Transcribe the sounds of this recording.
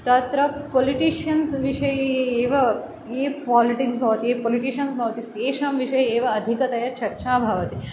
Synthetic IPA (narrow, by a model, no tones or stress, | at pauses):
t̪ɐt̪ɾɐpoːliʈiːʃɐnsʋiʂɐjeːʋɐ | eːpaːliʈiksbʱaːʋɐt̪iepoːliʈiːʃɐnsbʱaːʋt̪it̪eːʃɐmʋiʂɐjeːʋɐɐd̪ʱikɐt̪ɐjɐt͡ʃɐɾʃaːbʱaːʋɐt̪i